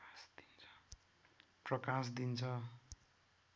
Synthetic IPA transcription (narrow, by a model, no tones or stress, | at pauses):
sd̪̥int͡sʰʌ̥ | prʌkas̬d̪int͡sʰʌ